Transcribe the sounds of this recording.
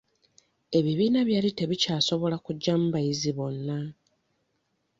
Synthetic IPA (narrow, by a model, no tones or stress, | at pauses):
e̞βiβiːnaβjaːlite̞βicaːso̞βo̞lakuɟːam̩bajiziβo̞nːa